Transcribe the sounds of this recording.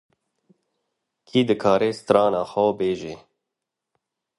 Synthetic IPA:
kʰiːd̪ɨkʰɑːɾeːst̪ɾɑːnaːxawbeːʒeː

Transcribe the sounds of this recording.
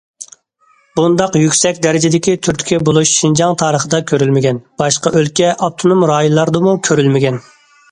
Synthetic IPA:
bund̪ɑqjykʲsɛkʲd̪ɛɾɪd͡ʒɪd̪ɪkʲit̪ʰyɾt̪ʰy̥kʲɛbolˠuʃʃind͡ʒɑŋt̪ʰɑːɾəχəd̪ɑkʲʰøɾylmɪɡʲɛnb̥ɑʃqɑʔølkʲɛʔɑp̚t̪ʰonumɾɑːjlˠɑɾd̪ɨmukʲʰøɾylmɪɡʲɛn

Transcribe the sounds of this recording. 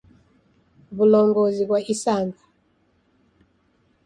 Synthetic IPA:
βulɔŋɡɔzikwaisaŋɡa

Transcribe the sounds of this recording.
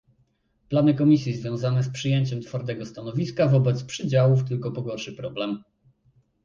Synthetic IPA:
planɘkɔmʲisʲjizvʲjɔ̃w̃zanɛspʂɘjeɲt͡ɕɛmt̪faɾd̪ɛɡɔst̪anɔvʲiskavɔbɛt̪spʂɘd͡ʑawuft̪ɘlkɔpɔɡɔɾʂɘpɾɔblɛm

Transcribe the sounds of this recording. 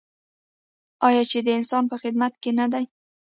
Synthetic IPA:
ɑjɑt͡ʃed̪əɪnsɑnpəxɪd̪mat̪kenad̪aj

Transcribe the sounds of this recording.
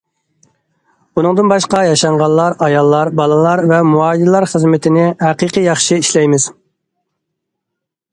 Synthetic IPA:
unɨŋd̪ɨnbɑʃqɑjɑʃɑɴʁɑlˠːɑɾɑjɑlˠːɑɾbɑlˠɨlˠɑɾvɛmuɑːjd̪lˠɑɾχəzmɪt̪ʰɪnɪhæqiqɨjɑχʃiiʃlɛjmɪz̥

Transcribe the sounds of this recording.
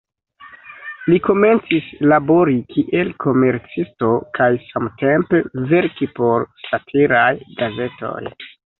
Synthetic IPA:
liko̞me̞nt͡sislabo̞ɾikʰiʔe̞lkʰo̞me̞ɾt͡sisto̞kʰajsamte̞mpe̞ve̞ɾkipo̞ɾsatʰiɾajɡaze̞to̞̰j

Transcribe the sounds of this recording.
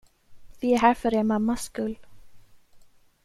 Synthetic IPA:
viɛɦæɾfœɾɛmamːaskɵl

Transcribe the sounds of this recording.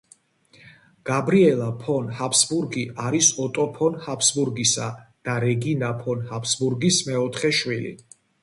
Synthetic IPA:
ɡ̥abɾiɛlˠapʰɔnhapʰsbuɾɡiaɾisɔt̪ʼɔpʰɔnhapʰsbuɾɡisa̰d̪̥aɾɛɡinapʰɔnhapʰsbuɾɡismɛɔt̪ʰχɛʃwilḭ

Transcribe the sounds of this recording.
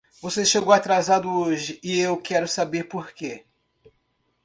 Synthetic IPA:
voseʃeɡowat̪ɾazad̪ʊoʒɪʔɪewkɛɾʊsabeɾpoɾke

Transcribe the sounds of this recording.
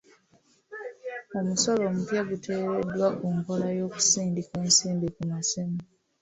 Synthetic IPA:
omusolomutjaɡutʰe̞ːɾedwakumkolajo̞ːku̥siːndikeːnsiːnbikumasimi

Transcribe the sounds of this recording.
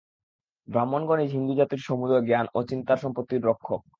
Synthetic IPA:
bɾamːonɡoned͡ʑɦind̪ud͡ʑat̪iɾʃomud̪ɾoɡeanot͡ɕint̪aɾʃɔmpot̪ːiɾːokʰːok̚

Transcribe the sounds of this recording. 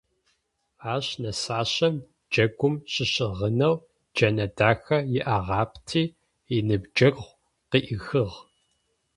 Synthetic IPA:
aːɕnɐsaːɕɐm | d͡ʒɐɡʷʊmɕɪɕɪʁənɐw | d͡ʒɐnɐdaːxɐjɪʔaʁɑːptʰiː | inɨbd͡ʒɐɡʁʷ | qiʔɪxɨʁ

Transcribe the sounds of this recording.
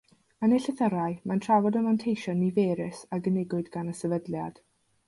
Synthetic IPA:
ənɛɬɛθəɾaɨmantʰravɔdəmantʰejʃɔnivɛːɾɪsaɡənɪɡʊɨdɡanəsɛvədljad̥

